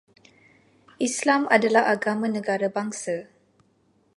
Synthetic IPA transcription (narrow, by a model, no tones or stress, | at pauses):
ʔislamadalahaɡamãnə̃ɡaɾabaŋsa